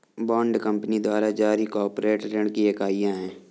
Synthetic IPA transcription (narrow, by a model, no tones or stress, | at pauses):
baːɳɖkə̃mpnid̪waːɾad͡ʒaːɾikɔːɾpɾeːʈɾeɳkiɐkaːijãɦɛ̃ː